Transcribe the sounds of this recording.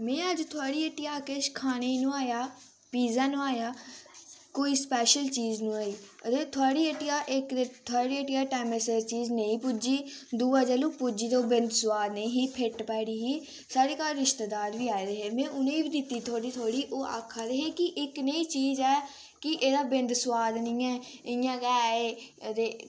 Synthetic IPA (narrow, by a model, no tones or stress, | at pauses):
mɛ̃ːəd͡ʒt̪ʰʊaːɽiːəʈɪjaːkɪʃkʰaːnenũːaːjaː | piːzãːnũːaːjaː | koːiːspɛːʃəlt͡ʃiːznũːaːiːəd̪eːt̪ʰʊaːɽiːəʈːɪjaːʔɪk̪et̪ʰʊaːɽiːəʈɪjaːʈɛːmesəɾt͡ʃiːzneĩːpʊd͡ʒiːd̪uːaːd͡ʒəːlũːpʊd͡ʒiːt̪oːbɪnd̪sʊwaːd̪nəĩːɦiːpʰeʈpɛːɽiːɦiː | saːɽiːkaːɾɾɪʃt̪əd̪aːɾʋiːaːed̪eɦeːmɛ̃ːʔʊnẽːiːbiːd̪ɪt̪ːiːt̪ʰoːɽiːt̪ʰoːɽiːʔoːʔa̰ːkʰːaːd̪eːɦeːkɪʔɪkneĩːt͡ʃiːzɛː | kɪʔeːd̪aːbɪ̃nd̪swaːd̪nə̃ːɛːɪjãːkɛːeːət̪eː